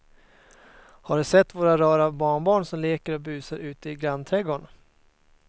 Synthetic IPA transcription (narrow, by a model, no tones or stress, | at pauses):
haɖɵsɛt̪ːvoːɾaɾɑːɾabɑːɳbɑːɳsɔmleːkəɾɔbʉ̟ːsaɾʉ̟ːt̪əɪɡɾant̪ʰɾɛɡoːɳ